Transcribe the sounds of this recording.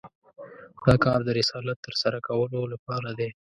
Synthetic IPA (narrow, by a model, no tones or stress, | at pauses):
d̪̥ɑkɑɾd̪əɾɪsɑlat̪ːəɾsaɾakawəlolapɑɾad̪e